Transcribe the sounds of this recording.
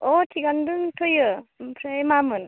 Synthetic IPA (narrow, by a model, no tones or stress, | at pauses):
ɔtʰiɡandɯŋtʰojɯpʰɾajmamɯn